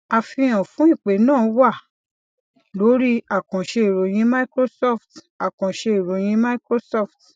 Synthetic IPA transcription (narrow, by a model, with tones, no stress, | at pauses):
a˧fĩ˧j̃ã˨fũ˦i˦˨k͡pe˨˦nãː˦˨˦wa˦˨ | lo˨˦ɾi˦a˦˨kã˨ʃe˧i˨ɾo˨˦j̃ĩ˦ma˦i˦kɾo˦sɔ˦˨ft | a˨kã˨ʃe˧i˨ɾo˨˦j̃ĩ˦ma˦i˦kɾo˦sɔ˦˨ft